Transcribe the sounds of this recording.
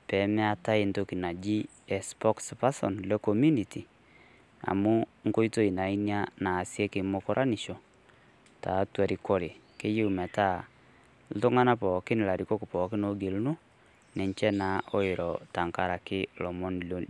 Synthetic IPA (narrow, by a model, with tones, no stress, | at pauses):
pɛ˨˦mɪ˦a˦ta˦ɪ˦nto˦ki˨na˨d͡ʒi˦ | ɛ˨spɔ˦kspa˦sɔ̰˨nlɛ˦ko˨mju˦ni˨ti˨ | a̰˨mu˦ŋ˦ko˦i˦to˦˨i˨na˨i˦nja˦naː˨sjɛ˦kɪ˨mo˦kɔ˦ɾʔa˦ni˨ʃɔ˨ | ta̰˨˦twa˨ɾi˨ko˦ɾe˨ | kɪ˦jɪ˦umɛ˨ta˦˨ | l̩˦tʊ˦ŋa˦na˦pɔː˨kɪ˦nɪ˨la˨ɾi˨ko˦kɪ˨pɔ˨kɪ˦no˨˦ɡe˨lnu˦ | nɪ˨nt͡ʃɛ˦na˨o˦ɪ˨ɾɔ˨ta˨ŋka˦ɾa˨kɪ˦lɔ˨mɔ˦nlo˦